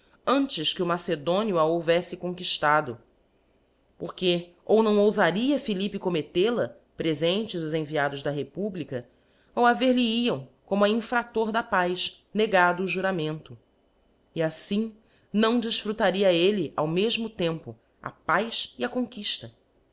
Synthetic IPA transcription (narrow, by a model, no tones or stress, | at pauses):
ɐ̃nt͡ʃɪʃskɪʊmased̪õnjʊaowvɛsɪkõŋkiʃt̪ad̪ʊ | poχke | ownɐ̃w̃owzaɾiɐfilipɪkomet̪elɐ | pɾezẽnt͡ʃɪzʊzẽviad̪ʊʒd̪ɐɦepublikɐ | awaveɾliiɐ̃w̃kõmʊɐĩfɾat̪oɾd̪ɐpajʃ | neɡad̪ʊːʒuɾamẽnt̪ʊ | iasĩ | nɐ̃w̃d͡ʒɪʃfɾut̪aɾiɐeliʔa̰wmeʒmʊt̪ẽmpʊ | a̰pajʃiɐkõŋkiʃt̪ɐ